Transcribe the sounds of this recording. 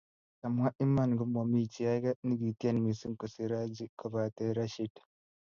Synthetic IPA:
ta˨m˨wa˦ʔi˦mːa˨nɡu˨˦mo˨mi˦t͡ʃi˨a˦ɡa˦ni˦ɡi˨ti˦a˦˨nmi˨si˦ŋkɔ˨si˦ɾa˦d͡ʒi˦kʰɔ˨ba˨te˦ɾa˦ʃi˦d

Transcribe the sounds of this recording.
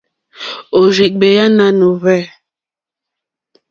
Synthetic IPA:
o˨ʒi˨k̚be˨ja˦na˦no˨vɛ˦˨

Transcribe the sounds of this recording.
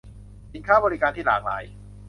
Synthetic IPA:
t͡ɕi˨˧nkʰaː˥˩bɔː˧ɾi˦˧kaː˧nt̪ʰiː˥˩laː˨˩k̚la̰ː˨˦j

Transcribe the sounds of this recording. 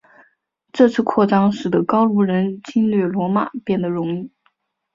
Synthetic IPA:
ʈ͡ʂɤ˥˧t͡sʰɹ̩˥˧kʰwɔ˥˩ʈ͡ʂɑ˥ŋʂɻ̩˨˩d̪ə˦kɑ˥ʊlu˧˥ɻə˧˥nt͡ɕi˥nlɥɛ˥˩lwɔ˧˥ma̰˨˩pjɛ˥˩nd̪ə˩ɻʊ˧˥ŋi˥˩

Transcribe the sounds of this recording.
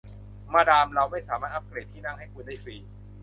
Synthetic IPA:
maː˥˩daː˧mɾa˧wma˥˩jsaː˩˦maː˥˩t̪ʰːa˦˥˩p̚kleː˨˩t̪ʰːiː˥˩na˥˩ŋɦa˥˩jkʰu˧ndaː˥˩jfiː˨˦˩

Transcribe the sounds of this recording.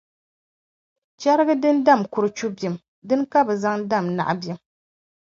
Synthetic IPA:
t͡ʃɛ˦ɾɨ˦ɡɨ˦dɨ˦n˦da˦˨mkʊ˨ɾɨ˨t͡ʃu˦bjɛ˨m | dɨ˦nka˦bɛ˨za˦ŋda˦˨mna̰˨ʔbɛ˦m

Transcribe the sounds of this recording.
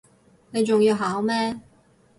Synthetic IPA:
ne˨˧jt͡ʃʊ˨ŋjiː˧wɦaː˨˥wmɛː˥

